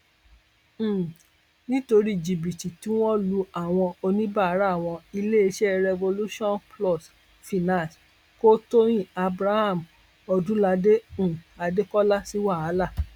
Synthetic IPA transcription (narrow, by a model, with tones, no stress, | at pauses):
nĩ˦to˧ɾi˦˨d͡ʒi˨bi˨ti˨tĩ˨˦w̃ɔ̃˦lu˧a˨w̃ɔ̃˧o˧nĩ˦ba˦˨a˦ɾa˦˨w̃ɔ̃˧i˧le˦e˧ʃe˦ɾɛ˧vo˧lu˦ʃɔ̃˦˨nplɔ˦˨s | fi˨nã˨s | ko˦to˦j̃ĩ˦˨a˧bɾa˦ha˦˨m˨ | ɔ˧dũ˦la˧dẽ˦˨a˧de˦kɔ˦la˦si˦wa˦˨a˨˦la˦˨